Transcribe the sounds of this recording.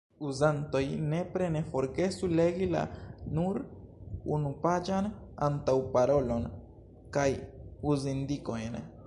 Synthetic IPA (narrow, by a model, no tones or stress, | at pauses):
uzant̪o̞jne̞pɾe̞nefo̞ɾɡe̞sule̞ɡila̰nuɾunupad͡ʒanant̪awpaɾo̞lo̞n | kajuzind̪ikojn